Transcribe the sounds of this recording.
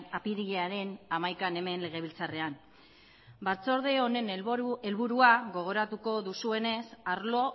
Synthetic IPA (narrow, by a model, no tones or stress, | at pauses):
apiɾiʎeaɾe̞namajkane̞me̞nle̞ɣ̞e̞β̞ilt͡sare̞an | baɾt͡so̞ɾðeone̞ne̞lβuɾuaɣo̞ɣ̞o̞ɾat̪uko̞ðusue̞ne̞saɾlo̞